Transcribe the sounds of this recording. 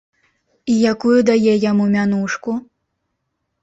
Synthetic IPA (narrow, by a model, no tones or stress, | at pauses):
ijakujud̪ajɛjamumʲanuʂku